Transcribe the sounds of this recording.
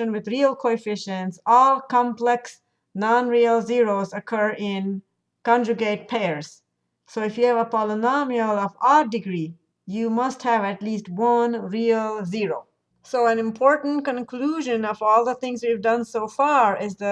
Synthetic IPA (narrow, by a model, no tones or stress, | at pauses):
ə̃nwɨðɹiəlˠkʰoɪfɪʃɨ̃nsɔlˠkɑ̃mplɛks | nɑ̃nɹiəlˠziɹoʊzəkʰɜ˞ɪ̃n | kɑ̃nd͡ʒɨɡeɪt̚pʰeɪə˞z̥ | soɪfjɨævəpɑlɪnɑmiəlˠʌvɔdɪɡɹi | jumʌst̚hɨvɨtlistwʌ̃nɹiəlˠziɹoʊ | soʊæ̃nɪ̃mpʰɔɹʔn̩kə̃nkʰluʒɨ̃nʌvɔlˠðəθɪ̃ŋzwivdʌ̃nsoʊfɑɹɪzðə